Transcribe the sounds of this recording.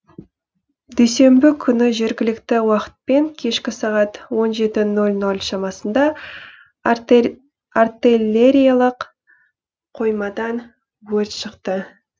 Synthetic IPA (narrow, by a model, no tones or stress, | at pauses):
d̪ejse̞mbɪkʲʰʏnɪʒe̞ɾɡʲɪlɪkt̪ɪwɑqə̥t̪̚pe̞ŋkʲʰe̞ʃkʲɪsɑʁɑt̪wo̞nʒe̞t̪ɪnolʲno̞lʲʃɑmɑsənd̪ɑ | art̪ilʲe̞ɾʲijalˠəq | qʰo̞jmɑd̪ɑn | wɵɾt̪ʃəqt̪ə